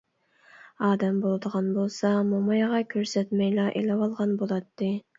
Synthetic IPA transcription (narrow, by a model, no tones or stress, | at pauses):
ɑːd̪ɛmbolˠd̪əʁɑnbolˠsɑmomɑjʁɑkʲʰøɾsɛt̪mɛjlɑʔḛlɛwɑlˠʁɑnbolˠɑt̪ːɨ